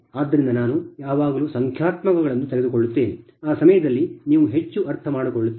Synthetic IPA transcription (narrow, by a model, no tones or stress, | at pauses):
aːd̪ːɐɾind̪ɐnaːnujaːʋaːɡɐluːsɐŋkʰjaːt̪mɐɡɐɡɐɭɐnːut̪eɡed̪ukoɭːut̪ːe̞ːni | aːsɐmɐjɐd̪ɐlːiniːʋuɦet͡ʃːuʔɐɾt̪ʰɐmaːɽukoɭːut̪ː